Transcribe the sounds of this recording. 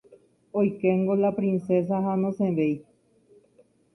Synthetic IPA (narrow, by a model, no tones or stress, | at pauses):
ojkeŋɡolapɾinses̬aɦanosẽβej